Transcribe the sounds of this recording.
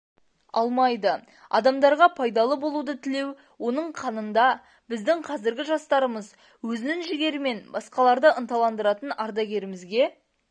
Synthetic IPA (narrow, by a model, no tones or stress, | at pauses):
ɑ̰lˠmɑjd̪ə | ɑ̰d̪ɑmd̪ɑɾʁɑpʰɑjd̪ɑlˠəbo̞lˠud̪ət̪ʰɪle̞w | wo̞nəɴqʰɑnənd̪ɑ | bɪzd̪ɪŋqʰɑzɪɾɡʲɪʒɑst̪ɑɾəməz | wɵzɪnɪŋʒɪɡʲe̞ɾɪme̞nbɑsqɑlˠɑɾd̪əʔənt̪ɑlˠɑnd̪əɾɑt̪ənɑɾd̪ɑɡʲe̞ɾɪmɪzɡʲe̞